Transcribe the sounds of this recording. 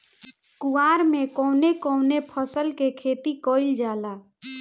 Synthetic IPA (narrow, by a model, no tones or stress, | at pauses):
kuaːɾmekɔʊnekɔʊnepʰəsəlkekʰet̪ikoɪld͡ʒaːla